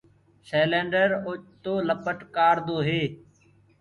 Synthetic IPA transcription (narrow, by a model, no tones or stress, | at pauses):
seːlẽːɳɖəɾoːt͡ʃt̪oːləpəʈkaːɾd̪oːɦeː